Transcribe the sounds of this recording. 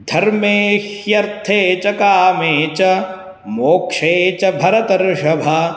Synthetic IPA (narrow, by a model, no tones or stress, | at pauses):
d̪ʱɐɾmeːʃjɐɾt̪ʰeːt͡ʃɐkaːmeːt͡ʃɐ | moːkʂeːt͡ʃɐbʱɐɾɐt̪ɐɾʃɐbʱɐ